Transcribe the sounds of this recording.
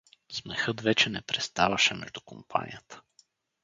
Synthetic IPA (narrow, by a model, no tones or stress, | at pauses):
smɛxɤt̪vɛt͡ʃɛnɛpɾɛst̪avɐʃɛmɛ̰ʒd̪ʊkompʰa̰nʲḭjət̪ə̥